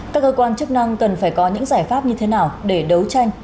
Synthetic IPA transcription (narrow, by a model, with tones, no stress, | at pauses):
kaː˦˥k̚ːəː˧kwaː˧nt͡ɕɨ˦˥k̚na˧ŋkə˨˩nfaː˧˩jkɔ˨˦ɲɨ̰˧˥ŋzaː˧˩jfaː˦˥p̚ɲɨ˧t̪ʰe˨˦naː˨˩wɗe˧˩ɗə˨˦wt͡ɕa˧jŋ̟